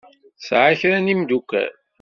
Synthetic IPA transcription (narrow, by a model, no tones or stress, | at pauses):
sʕaçɾænimd̪ukːæ̰ɾ